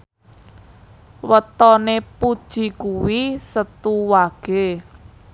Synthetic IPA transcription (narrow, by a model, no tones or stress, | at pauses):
wət̪ɔnepud̥ʒ̥i̤kuwisət̪uwaɡ̥e̤